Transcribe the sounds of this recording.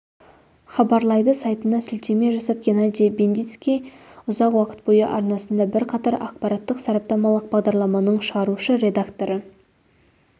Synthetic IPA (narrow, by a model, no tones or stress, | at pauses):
χɑbɑɾlˠɑjd̪əsɑjt̪ənd̪ɑsʏlt̪e̞me̞ʒɑsɑp̚ɡʲenad̪ʲibend̪ijt̪skʲijʊzɑqwɑqə̥t̪̚bo̞jəʔɑɾnɑsənd̪ɑbɪɾqʰɑt̪ɑɾʔɑ̰q̚pɑɾat̪ːəqsɑɾɑp̚t̪ɑmɑlˠəq̚bɑʁd̪ɑɾlˠɑmɑnəɴʃəʁɑɾuʃəɾʲe̞d̪akt̪o̞ɾə